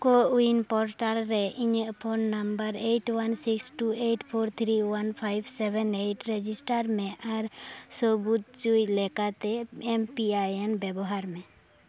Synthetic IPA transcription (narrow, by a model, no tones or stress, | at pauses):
koinpɔɾʈalɾɛʔiɲəpʰonːəmbəɾeʈwansiksʈueʈpʰoːɾt̪ʰɾiwanpʰajbsɛbɛneʈɾed͡ʒisʈəɾmẽʔaɾsobut̪̚t͡ʃujlekat̪eempiajenbɛbɔɦaɾmẽ